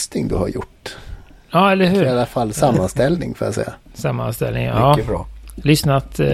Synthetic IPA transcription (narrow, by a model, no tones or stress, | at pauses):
st̪ɪŋd̪ɵ̰ha̰ɾjʊ̰ʈː | jɑːɛlːəɾɦʉ̟ːɾalːafalːsamːanst̪ɛlnɪ̰ŋfɔɾjasɛ̰jːasamːa̰nst̪ɛ̰lnɪ̰ŋɑːbɾɔːlʏsnat̪